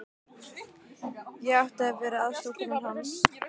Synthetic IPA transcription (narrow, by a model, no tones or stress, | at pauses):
jɛɣawht̪aðɛvɛːɾɪaðst̪ɔwkʏnaɾhans